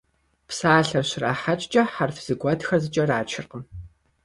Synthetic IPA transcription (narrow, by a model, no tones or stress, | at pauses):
psaːɬɐrɕraːħat͡ʃʼt͡ʃʼɐħarfz̥ɨɡʷɔtxɐrzɨt͡ʃʼɐraːt͡ʃʰɪrqəm